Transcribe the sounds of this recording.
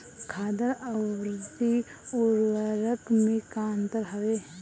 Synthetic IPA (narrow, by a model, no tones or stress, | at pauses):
kʰaːd̪əɾəwɾʊd̪iʊɾwəɾəkmẽkaːnt̪əɾɦɐʋeɦ